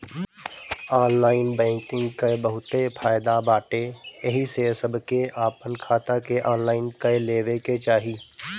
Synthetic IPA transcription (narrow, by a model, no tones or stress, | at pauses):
ɔːnlaːɪnbɛ̃ːŋkɪ̃ŋɡkabəɦʊt̪epʰaːjd̪abaːʈejɐɦisesəbkeʔaːpənkʰaːt̪akeʔɔːnlaːɪnkɐeleːʋeket͡ʃaːɦiː